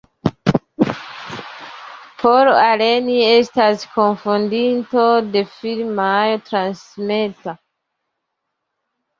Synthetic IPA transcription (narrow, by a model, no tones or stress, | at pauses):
pʰoɾale̞nie̞staskʰo̞nfondinto̞de̞filmajotɾansmeta